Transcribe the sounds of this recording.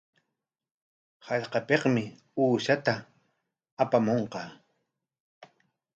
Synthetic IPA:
hɑʎqɑpeqmɪ | uːʃat̪aː | pamoɴqɑ

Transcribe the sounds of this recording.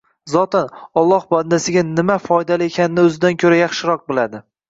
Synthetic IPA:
zɒt̪ɪnɒlˠːɒhband̪asɪɡʲanɪmafɒjd̪alɪekʲʰanɪnɪɵzɪd̪ankʲʰɵɾajɑχʃɪɾɒq̚bolad̪ɪ

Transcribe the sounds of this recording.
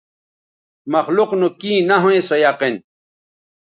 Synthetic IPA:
mɐxluqnukĩːnaɦõẽsojaqen

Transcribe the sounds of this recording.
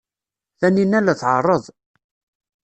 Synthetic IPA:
θæninælæθʕə̰rˤːəðˤ

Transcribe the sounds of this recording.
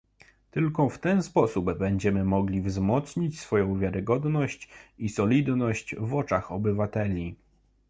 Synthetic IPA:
t̪ɘlkɔft̪ɛnspɔsubːɛɲd͡ʑɛmɘmɔɡlʲivzmɔt̪sɲit͡ɕsfɔjɔ̃w̃vʲjaɾɘɡɔd̪nɔɕt͡ɕisɔlʲid̪nɔɕt͡ɕvɔt͡ʂaxɔbɘvat̪ɛlʲi

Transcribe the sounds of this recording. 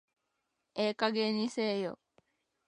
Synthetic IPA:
ekaɡenisejo̰

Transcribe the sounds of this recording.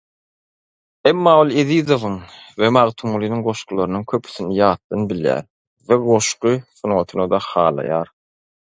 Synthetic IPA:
emːɑːolˠeðizovɯŋvemɑʁt̪ʰumulˠinɯŋɢo̞ʃqulˠɑɾɯnɯŋkʲʰøpʰy̥θinijɑːt̪̚d̪ɑnbiljæ̰ːɾ | veɡo̞ʃqɯθunwot̪ʰunɑd̪ɑhɑːlˠɑ̰jɑːɾ

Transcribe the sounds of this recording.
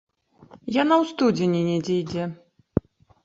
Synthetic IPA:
janawst̪ud͡zʲenʲinʲɛd͡zʲɛjd͡zʲɛ

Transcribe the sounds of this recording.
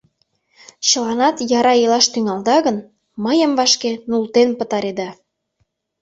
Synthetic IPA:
t͡ɕə̆lɑnɑt̪jɑɾɑelɑʃt̪yŋɑld̪ɑɣən | məjəmvɑʃkenult̪enpə̆t̪ɑɾed̪ɑ

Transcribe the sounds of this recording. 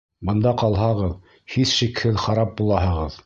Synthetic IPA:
bɤ̆nd̪ɑqɑlˠɦɑʁɤð | hisʃikhɘðχɑɾɑp̚bulˠɑhɤ̆ʁɤð

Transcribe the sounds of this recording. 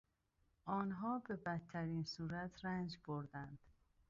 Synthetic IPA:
ʔɒːnɦɒːbe̞bæt̪ʰːæɾiːnsuːɾæt̪ʰɾænd͡ʒboɾd̪ænd̪̥

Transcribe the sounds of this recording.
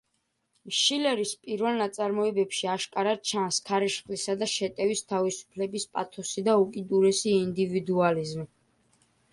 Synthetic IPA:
ʃilɛɾispʼiɾvɛlnat̪sʼaɾmɔɛbɛpʃiaʃkʼaɾad̪̥̚t͡ʃʰanskʰaɾɛʃχlisad̪aʃɛt̪ʼɛvist̪ʰavisu̥pʰlɛbispʼat̪ʰɔsid̪aukʼid̪uɾɛsiːnd̪ivid̪ualizmi

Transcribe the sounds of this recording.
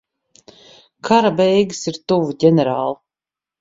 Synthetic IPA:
kʰaɾabɛjɡɨsiɾt̪uvuɟʲɛnʲɛɾaːlˠ

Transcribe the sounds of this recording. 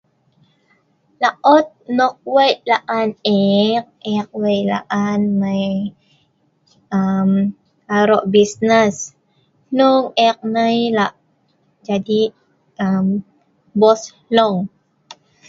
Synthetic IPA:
laʔɔt̪̚nɔk̚wəjlaʔanɛk̚ɛk̚wəjla̰ʔanməj | ʔəm | kaɾɔʔbisnəs | nuŋɛk̚nəjlaʔ | d͡ʒadi | ʔəm | bɔs | lɔŋ

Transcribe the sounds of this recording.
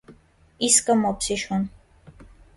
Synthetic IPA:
iskʼamɔpsiʃun

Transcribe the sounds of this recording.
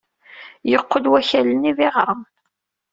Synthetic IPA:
jəqːəlwæçælənivɪʁɾˤəm

